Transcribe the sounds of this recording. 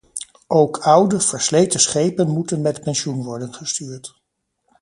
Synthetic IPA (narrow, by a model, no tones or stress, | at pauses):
ʔowkʰʌwdəv̥əɹslejtəsχejpənmutənmɛtpɛnʃunʋɔɹdənχəstyːɹt